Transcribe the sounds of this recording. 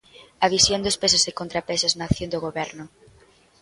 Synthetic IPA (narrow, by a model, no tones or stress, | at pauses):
aβisjond̪ospesʊsekont̪ɾapesaznakθjõnd̪oɣoβɛɾnʊ